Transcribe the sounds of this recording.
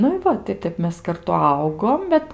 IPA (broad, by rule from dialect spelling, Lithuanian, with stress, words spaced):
ˈnʊ ɪ ˈʋɐ tɐɪ ˈtʲɛp mʲɛs kɐrˈtʊ ˈɐʊɡoːm ˈbʲɛt